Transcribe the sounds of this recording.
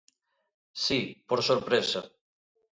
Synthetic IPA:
sipoɾsoɾpɾesa

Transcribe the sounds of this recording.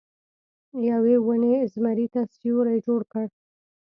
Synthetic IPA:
jawewunezmaɾit̪asijoɾajd͡ʒoɽkəɽ

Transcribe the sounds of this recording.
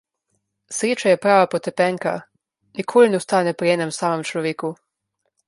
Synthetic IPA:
sɾeːt͡ʃajɛpɾaːʋapot̪ɛpɛːŋka̰ | nikʰoːlinɛust̪aːnɛpɾijɛːnɛmsaːmɛmt͡ʃlɔʋeːku

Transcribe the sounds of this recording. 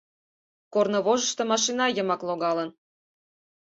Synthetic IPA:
kornoβoʒə̆ʃt̪omɑʃinɑjəmɑkloɣɑlən

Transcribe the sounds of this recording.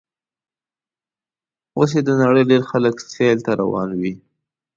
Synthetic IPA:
os̬ed̪ənaɽəjɖeɾxaləkselt̪aɾa̰wɑ̰nwi

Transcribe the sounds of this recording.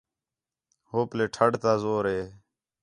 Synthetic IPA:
hoːpleːʈʰəɽt̪aːzoːɾeː

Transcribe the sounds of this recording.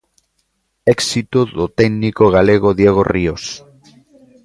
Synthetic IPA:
eksit̪oðot̪ɛɡnikoɣ̞aleɣ̞oðjeɣ̞o̰rios

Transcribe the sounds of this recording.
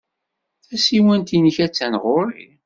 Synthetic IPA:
θæsiwænt̪inəçæt͡sːænʁoɾḭ

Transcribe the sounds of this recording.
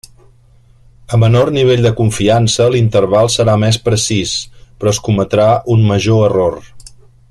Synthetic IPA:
əmənorniβ̞eʎd̪əkuɱfiansəlint̪ərβ̞alˠsəɾamɛspɾəsispɾɔskumət̪ɾaʔunməʒoəror

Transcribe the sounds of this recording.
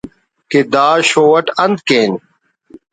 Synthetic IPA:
ked̪aːɕoːwɐʈɐnd̪̚keːn

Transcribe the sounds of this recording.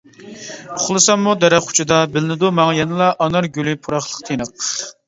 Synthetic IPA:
ʊχlˠɨsɑmːud̪ɛɾɛχu̥t͡ʃʰid̪ɑbɪlɪnɪd̪umɑŋjɛnɨlˠɑʔɑnɑɾɡʲylɪpʰuɾɑχlˠəqt̪ʰenəq̚

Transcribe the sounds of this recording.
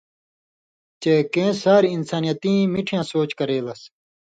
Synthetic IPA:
t͡ɕeːkẽːsaːɾiinsaːnijɐt̪ĩːmiʈʰijãːsoːt͡ɕkɐɾeːlɐs

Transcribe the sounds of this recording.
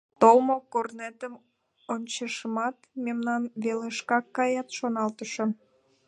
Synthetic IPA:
t̪olmokornet̪əm | onʲt͡ɕəʃəmɑt̪memnɑnβeleʃkɑkːɑjɑt̪ʃonɑlt̪əʃo

